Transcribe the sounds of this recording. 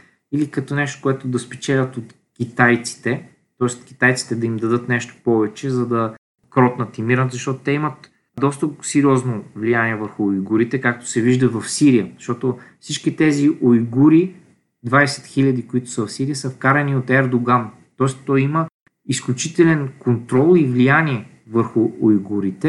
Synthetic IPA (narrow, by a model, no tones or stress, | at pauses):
ilikɐt̪ɔnɛʃt̪o̥koɛt̪ʊd̪ɐspɛt͡ʃɛlʲɐt̪ot̪ | kʲit̪ajt̪si̥t̪ɛ | t̪ɔɛst̪kʲi̥t̪ajt̪si̥t̪ɛd̪ɐimd̪ɐd̪ɤt̪nɛʃt̪o̥pɔvɛt͡ʃɛzɐd̪ɐ | kɾɔt̪nət̪imiɾnət̪zɐʃt̪ɔt̪o̥t̪ɛimət̪ | d̪ɔst̪əsɛɾiɔznovlijaniɛvəɾxʊːjɡuɾit̪ɛkak̚t̪o̥sɛviʒd̪əvɐfsiɾijəzʃt̪ɔt̪ofsit͡ʃkit̪ɛziʔojɡuɾi | d̪vasɛ̥t̪xiʎʲɐd̪ikoit̪ʊ̥səvɐfsiɾijəsəfkaɾɐniot̪ɛɾd̪oɡan | t̪ɔɛst̪t̪ɔjimə | isklʲut͡ʃit̪ɛlʲɛnkont̪ɾɔlˠivlijanʲiɛ | vəɾxʊojɡuɾit̪ɛ